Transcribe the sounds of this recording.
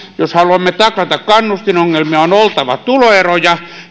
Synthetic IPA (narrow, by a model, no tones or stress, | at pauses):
joshɑluɑmːet̪ɑklɑt̪ɑkkɑnːust̪inoŋːelmiɑonolt̪ɑʋɑ̰t̪uloerojɑ